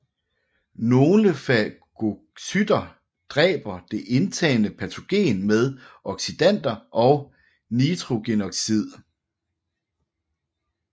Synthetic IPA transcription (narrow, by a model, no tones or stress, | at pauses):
no̝ːləfæɡ̥o̝ | syd̥ɐ | d̥ʁɛ̰ːb̥ɐd̥e̝ʔe̝nt͡sʰɛ̰ːnəpʰæt͡sʰo̝ɡ̥e̝̰ːnmeð̞ˠʔɒ̽ɡ̥sid̥æn̰d̥ɐʔɒ̽ʊ | nid̥ʁo̝ɡ̥enɒ̽ɡ̥sið̞̰ˠ